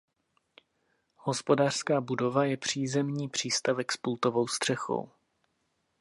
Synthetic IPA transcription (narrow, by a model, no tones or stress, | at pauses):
hospo̞daːr̥skaːbudo̞vajɛpr̝̥iːzɛmɲiːpr̝̥iːst̪avɛkspult̪o̞vo̞wst̪r̥ɛxo̰w